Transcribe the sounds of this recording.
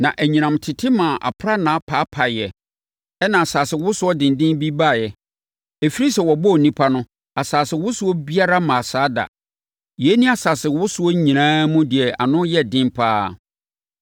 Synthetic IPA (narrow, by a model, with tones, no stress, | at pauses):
nã˨ʔæ˨ɲĩ˨nã˨mtʰɪ˨tʰɪ˦mã˨ʔa̰˨pʰɾa˦nã˨˦pʰaː˨˦pʰa˨jɛ˨ | ɛ˦nã˨a˨saː˨sɪ˨wʊ˦sʊ˦ɔ˦dɪ̃˨n˨dɪ̃˦nbi˦ba˦˨jɛ˨ | e˨fi˦ɾi˦sɛ˨wɔ˨bɔ˦˨nĩ˦pʰa˦nʊ̃˦ | a˨saː˨sɪ˨wʊ˦sʊ˦ɔ˦bi˦a˦ɾa˦mã˨saː˨˦da̰˨ | jɛ˨˦nĩ˦a˨saː˨sɪ˨wʊ˦sʊ˦ɔ˦ɲĩ˨ɾãː˦mũ˦dɪ˨ɛ˨ʔa̰˨nʊ̃˦jɛ˦dɪ̃˦mpʰaː˦